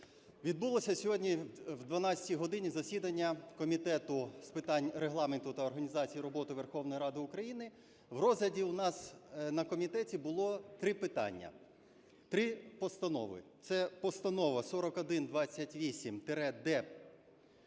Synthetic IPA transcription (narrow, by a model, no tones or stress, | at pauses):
ʋʲid̪̚bulˠɔsʲɐsʲɔɦɔdʲnʲiwd̪ʋɐnɑt͡sʲɐ̥tʲijɦɔd̪ɪnʲizɐsʲid̪ɐnʲːɐkɔmʲit̪ɛt̪ʊspɪt̪ɑnʲɾeɦlˠɑment̪ʊt̪ɐɔrɦɐnʲizɑt͡sʲijiɾɔbɔt̪ɪʋerxɔwnɔjiɾɑd̪ɪʊkɾɐjinɪ | wrɔzlɐdʲiʊnɑsnɐkɔmʲit̪ɛtʲibʊlˠɔt̪ɾɪpɪt̪ɑ̰nʲːɐ̰ | t̪ɾɪpɔst̪ɐnɔ̰ʋɪ̰t̪sɛpɔst̪ɐnɔʋɐsɔɾɔkɔd̪ɪnd̪ʋɑt͡sʲːɐtʲʋʲisʲimt̪eɾɛd̪ɛ